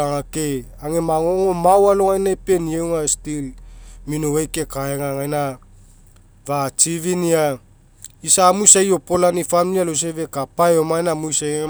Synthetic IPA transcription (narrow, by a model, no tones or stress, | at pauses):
aŋake | aŋe̞maŋoŋo̞mawaloŋajnaepe̞nijewŋastilminoajke̞kaeŋaŋajna | vat͡ʃiβinia | isamujsajo̞po̞lanifamilialos̬eβe̞kapajomajnamujsa